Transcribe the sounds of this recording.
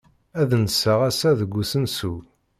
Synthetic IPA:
æðnəsːəʁæsæðəɡʷːusənsu

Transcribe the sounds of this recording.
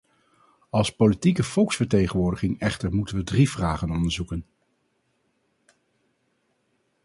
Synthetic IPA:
ɑlˠspolitikəv̥ɔlˠksfəɹtejχənʋʊːɹdəχɪŋɛχtəɹmutənʋədrivraːχənɔndəɹzukən

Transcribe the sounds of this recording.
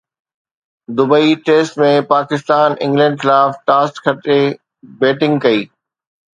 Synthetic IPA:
d̪ʊbəiʈeːsʈmẽpaːkɪst̪aːnɪ̰̃ŋɡlɛ̃ɳɖxɪlaːfʈaːsʈkʰɐʈe | beːʈɪ̃ŋɡkɐiː

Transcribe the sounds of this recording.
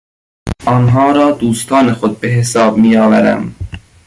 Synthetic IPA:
ʔɒːnɦɒːɾɒːd̪uːst̪ʰɒːne̞xod̪̚be̞ɦesɒːbmiːjɒːvæɾæ̰m

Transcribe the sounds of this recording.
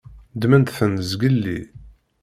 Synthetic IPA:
d̪mənt̪θənəzɡəlːḭ

